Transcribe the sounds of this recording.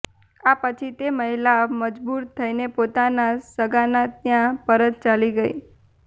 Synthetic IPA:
apət͡ʃʰit̪eməɦilaməd͡ʒbuɾt̪ʰəinepot̪anasəɡanat̪jãpəɾəd̪̚t͡ʃaliɡəi

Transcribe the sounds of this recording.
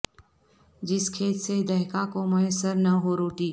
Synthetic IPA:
d͡ʒɪskʰeːt̪sed̪ɐɦkakomɐesəɾnɐɦoɾoːʈiː

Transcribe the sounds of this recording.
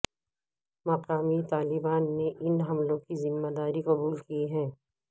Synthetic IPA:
mɐqaːmit̪aːlɪbaːnːeʔɪnɦɐmlõkizɪmːad̪aːɾiqɐbuːlkiɦɛ̃ː

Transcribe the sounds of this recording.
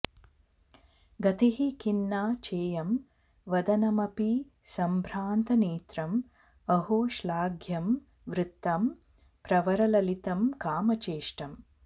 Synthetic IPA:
ɡɐt̪iɦikinːaːt͡ʃeːjɐm | ʋɐd̪ɐnɐmɐpi | sɐmbʱɾaːnt̪ɐneːt̪ɾɐm | ɐɦoːʃlaːɡʱjɐm | ʋɾɪt̪ːɐm | pɾɐʋɐɾɐlɐlit̪ɐmkaːmɐt͡ʃeːʂʈɐm

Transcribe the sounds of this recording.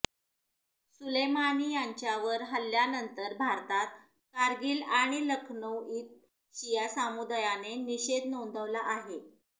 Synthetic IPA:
sulejmanijaɲt͡ɕjaʋəɾɦəljanənt̪əɾbʱaɾt̪at̪̚ | kaɾɡiːlaɽ̃iləkʰnəwiːt̪̚ | ɕijasamud̪ajaneniɕed̪ʱnõnd̪ʱəʋlaʔaɦe

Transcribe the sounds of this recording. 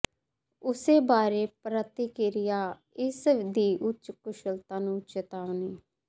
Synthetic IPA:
ʊseːbaːɾeːpɾət̪iːkeːɾɪjaː | ɪsd̪iːʔʊt͡ʃkʊʃəlt̪ãːnũːt͡ʃət̪aːʋniː

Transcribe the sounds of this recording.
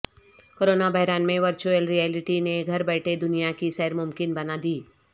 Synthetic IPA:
koːɾoːnabaːɪɾaːnmẽʋɐɾt͡ʃuəlɾijɛːlɪʈineɡʱɐɾbɛːʈʰed̪ʊnijakisɛːɾmʊmkɪnbɐnad̪iː

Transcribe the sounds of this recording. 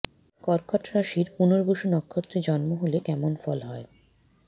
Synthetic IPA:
kɔɾkʰɔʈɾaʃiɾpunoɾbuʃunɔkʰːot̪ːɾid͡ʑɔnmoɦolekɛmonfɔlɦɔe

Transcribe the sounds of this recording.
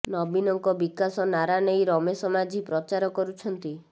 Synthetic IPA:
nɔbinɔŋkɔbikasɔnaɾanejɾɔmesɔmad͡ʒipɾɔt͡ʃaɾɔkɔɾut͡ʃʰɔnt̪i

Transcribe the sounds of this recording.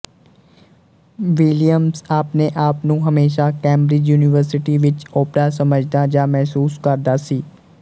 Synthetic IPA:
ʋɪlijəmzaːpneʔaːpnũɦɐmeːʃ̬akɛ̃ːmbɾɪd͡ʒjuːnɪʋəɾsɪʈiʋɪt͡ʃoːpɾasɐməd͡ʒʱd̪ad͡ʒamɛɦsuːskɐɾd̪asiː

